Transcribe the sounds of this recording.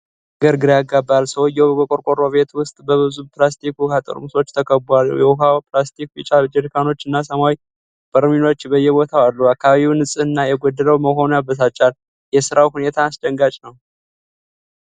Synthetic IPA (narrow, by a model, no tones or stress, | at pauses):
ɡəɾɡɨɾjaɡabːalsəwjɛwbɡəkʼo̞ɾkʼo̞ɾoβe̞t̪wʊst̪ʼbəβɨzuplast̪ʰikukat̪ʼə̰ɾmuso̞t͡ʃːt̪ʰəkʰəbwal̰ːjɛuɦawplast̪ʰikbit͡ʃʼad͡ʒɛɾikʰano̞t͡ʃːɨnːasəmawj | b̥əɾmino̞t͡ʃːbəjɛβo̞t̪ʰawalːuakʰːaβaβiwnɨsʼɨɨnːajɛɡod̪ːələwməɦo̞nujabːəs̬at͡ʃːal | jɛsɨɾawhune̞t̪ʰaːsd̪əŋɡat͡ʃʼnəw